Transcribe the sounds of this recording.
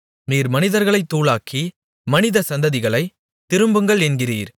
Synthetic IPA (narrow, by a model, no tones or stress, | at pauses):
miːɾmɐnɪðɐɾɣɐɭɐɪt̪ːuːɭaːkʰːi | mɐnɪðɐsɐnd̪ɐðɪɣɐɭɐɪ | t̪ɪɾɯmbɯŋɡɐɭɛnɡɪriːɾ